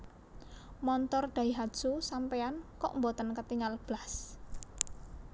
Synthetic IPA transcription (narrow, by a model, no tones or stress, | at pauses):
mɔnt̪ɔrɖ̪̥ä̤iɦad̥ʒ̥usampeankɔ̰ʔmbot̪ənkət̪iŋalb̥las